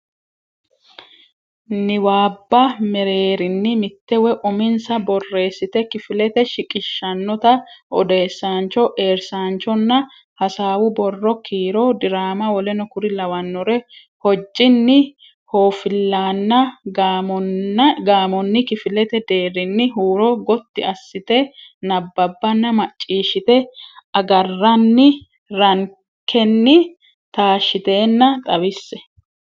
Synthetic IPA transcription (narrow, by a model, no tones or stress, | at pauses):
nɪwaːbːɐmɛɾeːɾɪnːɪmɪt̪ːɛwɛʔʊmɪnsɐbɔrːe̞ːsːɪt̪ɛkɪfɪlɛt̪ɛʃɪkʼɪʃːɐnːɔt̪ɐʔɔd̪e̞ːsːaːnt͡ʃːɔʔe̞ːɾsaːnt͡ʃːɔnːɐ | hɐsaːwʊbɔrːɔkʰiːɾɔːd̪ɪɾaːmɐwɔlɛnɔkʊɾɪlɐwɐnːɔɾɛ | hɔd͡ʒːɪnːɪ | hoːfɪlːaːnːɐ | ɡaːmɔnːɪkɪfɪlɛt̪ɛd̪e̞ːrɪnːɪɦuːɾɔɡɔt̪ːɪɐsːɪt̪ɛnɐbːɐbːɐnːɐmɐt͡ʃʼːiːʃɪt̪ɛɐɡɐrːɐnːɪ | ɾɐŋ | kʰːɛnːɪ | t̪aːʃːɪt̪e̞ːnːɐt̪ʼɐwɪsːɛ